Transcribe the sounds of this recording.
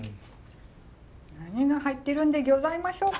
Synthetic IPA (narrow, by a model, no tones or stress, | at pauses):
naɲ̟iɡahait̪ːe̞ɾɯ̟̃nd̪e̞ɡʲozaimaɕo̞ː